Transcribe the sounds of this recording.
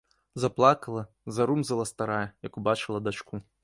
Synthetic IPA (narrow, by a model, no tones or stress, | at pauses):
zaplˠakɐlˠɐ | zaɾumzɐlˠɐst̪aɾajɛjɐkubat͡ʃɨlˠɐd̪at͡ʂku